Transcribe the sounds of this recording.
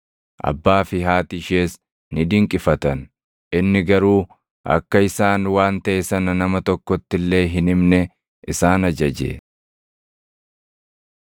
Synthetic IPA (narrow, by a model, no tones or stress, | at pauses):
ʔɐ̰bːaːfɪɦaːt̪ɪʃeːs | nɪd̪ɪŋkʼɪfɐt̪ɐn | ʔɪnːɪɡɐɾuː | ɐ̰kːɐɪsaːnwaːnt̪ɐʔesɐnɐnɐmɐt̪ɔkːɔt̪ːɪlːe̞ːɦɪnɪmnɛ | ʔɪsaːnɐd͡ʒɐd͡ʒḛː